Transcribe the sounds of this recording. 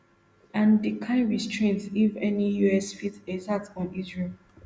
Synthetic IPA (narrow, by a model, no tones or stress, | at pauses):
ãndikʰãɪ̃nɹistʰɹẽntifɛnijuɛsfitesatɔ̃nizɹil